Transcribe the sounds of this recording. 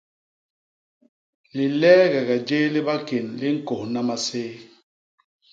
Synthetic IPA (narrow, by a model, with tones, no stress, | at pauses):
li˨lɛː˦ɣɛ˨ɣɛ˨d͡ʒeː˦li˦ba˦ke˨nli˦ŋ̩˦˨kɔ˨hna˦ma˦˨seː˦